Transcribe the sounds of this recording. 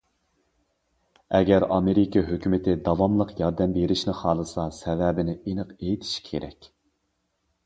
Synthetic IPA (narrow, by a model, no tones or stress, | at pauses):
ɛɡʲɛɾɑmeɾɪkʲɑɦøkʲymɪt̪ʰɪd̪ɑvɑmlˠəqjɑɾd̪ɛmbeɾɪʃnɪχɑːlˠɨsɑsɛvɛbɪnɪinəqejit̪ʰi̥ʃkʲʰḛɾɛ̰kʲ